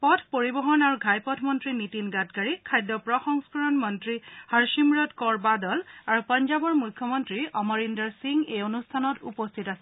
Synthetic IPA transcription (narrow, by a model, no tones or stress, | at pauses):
pɔtʰpoɹibɔɦɔnaɹuɡʱajpɔtʰmɔntɹinitinɡatɡaɹikʰajdɔpɹɔxɔŋskɔɹɔnmɔntɹihaɹʃimɹɔtkɔɹbadɔlaɹupɔnd͡ʒabɔɹmujkʰːjɔmɔntɹiɔmɔɹindɔɹsiŋɡejonustʰanɔtṵpɔstʰitasɛ